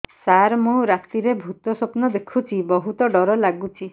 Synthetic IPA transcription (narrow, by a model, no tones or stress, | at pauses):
saɾmũɾat̪iɾebʱut̪ɔsɔpnɔd̪ekʰut͡ʃʰibɔɦut̪ɔɖɔɾɔlaɡut͡ʃʰi